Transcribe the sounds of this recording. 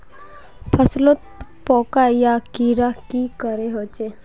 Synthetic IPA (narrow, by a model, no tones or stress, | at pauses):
pʰəslot̪̚pɔkajakiɾakikəɾeɦot͡ʃe